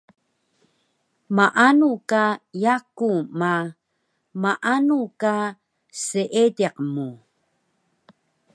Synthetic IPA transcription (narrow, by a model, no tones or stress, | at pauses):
maʔanukajakuma | maʔanuka | səʔedeqmu